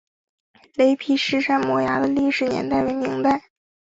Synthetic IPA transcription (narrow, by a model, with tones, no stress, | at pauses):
le˧˥ɪpʰi˧˥ʂɻ̩˥˩ʂa˥˩nmwɔ˧˥ja̰˧˥d̪ə˧li˥˩ʂɻ̩˧˥njɛ̰˧˥nt̪a˥˩ɪwe˧˥ɪmi˧˥ŋt̪a˥˩ɪ